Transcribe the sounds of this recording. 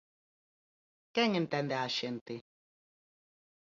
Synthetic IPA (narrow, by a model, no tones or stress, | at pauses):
kɛŋen̩tɛndɛaʃen̩te